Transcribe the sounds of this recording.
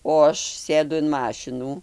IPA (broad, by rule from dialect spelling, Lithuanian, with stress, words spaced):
oː ˈɐʃ ˈsʲeːdʊ ɪn ˈmɑːʃʲɪnuː